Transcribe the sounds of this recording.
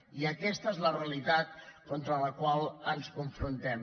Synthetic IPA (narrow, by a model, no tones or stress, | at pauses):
iəkɛst̪əezləreəlit̪at̪̚kɔnt̪ɾələkwalˠənskuɱfɾunt̪ɛm